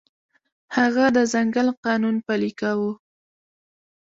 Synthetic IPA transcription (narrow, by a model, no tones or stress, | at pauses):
haɣad̪əzaŋɡalqɑnunpalikawu